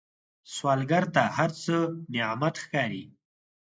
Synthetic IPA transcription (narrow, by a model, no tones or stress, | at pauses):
swɑːlɡaɾt̪ahaɾt͡səneamat̪xkɑːɾi